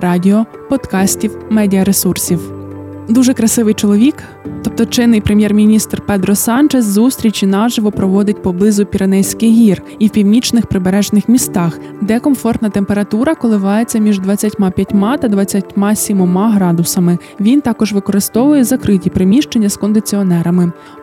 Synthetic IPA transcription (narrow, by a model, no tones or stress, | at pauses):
ɾɑdʲiɔ | pɔd̪kɑsʲtʲiwmɛdʲiɐɾesursʲiwd̪uʒɛkɾɐsɪʋɪjt͡ʃɔlˠɔʋʲik | t̪ɔpt̪ɔt͡ʃɪnːɪjpɾemʲjɛrmʲinʲist̪rpɛd̪ɾɔsɑnt͡ʃɛzzust̪ʲɾʲit͡ʃʲinɑʒɪʋɔpɾɔʋɔd̪ɪtʲpɔblˠɪzʊpʲiɾenɛjsʲkɪjɦʲir | iwpʲiwnʲit͡ʃnɪxpɾɪbeɾɛʒnɪxmʲist̪ɑx | d̪ɛkɔmfɔrt̪nɐt̪empeɾɐt̪uɾɐkɔlˠɪʋɑjet͡sʲːɐmʲiʒd̪ʋɐt͡sʲːɐtʲmɑpʲjɐtʲmɑt̪ɐd̪ʋɐt͡sʲːɐtʲmɑsʲimɔmɑɦɾɑd̪ʊsɐmɪ | ʋʲint̪ɑkɔʒʋɪkɔɾɪst̪ɔʋʊjɛzɐkɾɪtʲipɾɪmʲiʃt͡ʃenʲːɐskɔnd̪ɪt͡sʲiɔnɛɾɐmɪ